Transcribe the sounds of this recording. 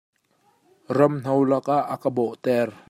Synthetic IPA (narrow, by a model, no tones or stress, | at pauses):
rɐmn̥ɔwlɐkaʔːəkəbɔʔt̪ɛr